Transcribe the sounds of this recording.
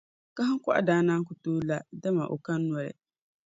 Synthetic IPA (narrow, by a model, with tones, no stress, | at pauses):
ka˦ɦɨ˦ŋ˦kʊ˦ʔa̰˨daː˦naː˦ŋk̬ʊ˨toː˦la˦da˦ma˨ʔo̰˨ka˦nː˦ɔ˦ɾɪ̰˨